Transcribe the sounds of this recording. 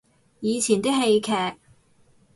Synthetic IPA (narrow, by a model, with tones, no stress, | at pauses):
jiː˨˧t͡sʰiː˨˩nt̪i˥ɦe˧jkʰɛː˨˧k̚